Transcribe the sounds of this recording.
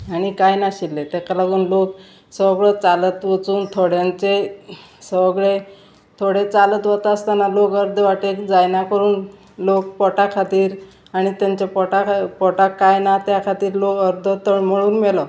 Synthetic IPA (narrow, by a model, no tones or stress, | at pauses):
aɽ̃ikajnaɕilːet̪ekalaɡuːnlok | səʋəɡɭət͡salət̪ʋət͡suːnt̪ʰoɽjãnt͡se | səʋɡɭe | t̪ʰoɽet͡salət̪ʋət̪aəst̪analokəɾd̪ʱəʋaʈekd͡zajnakəɾuːn | lokpɔʈakʰat̪iːɾ | aɽ̃it̪jaɲt͡ɕepɔʈapɔʈakːajnat̪jakʰat̪iːɾlokəɾd̪ʱət̪əm̤əɭuːnmɛlɔ